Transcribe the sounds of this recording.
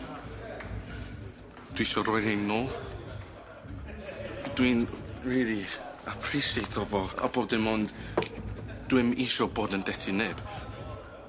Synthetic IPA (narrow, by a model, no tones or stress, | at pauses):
d̥wiʃɔɾɔjnenɔː | d̥winriliapʰriʃietʰɔvɔa̰bɔdɪmɔnd | d̥wɪmiʃɔboːdəndɛtʰɪnɛːb̥